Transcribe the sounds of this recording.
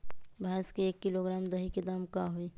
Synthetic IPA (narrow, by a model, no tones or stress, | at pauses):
bʱaːskeeːkːiloɡɾaːmd̪əɦiked̪amkaɦui